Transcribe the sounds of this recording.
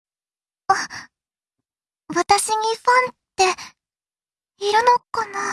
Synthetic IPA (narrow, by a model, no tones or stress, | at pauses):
a | βat̪aɕiɲ̟iɸãnt̪ːe | iɾɯnokːana